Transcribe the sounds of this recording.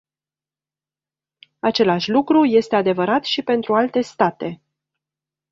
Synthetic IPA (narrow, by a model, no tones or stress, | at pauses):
at͡ʃe̞laʃʲlukɾuje̞st̪e̞ad̪e̞vəɾat̪ʃipe̞nt̪ɾualt̪e̞st̪at̪e̞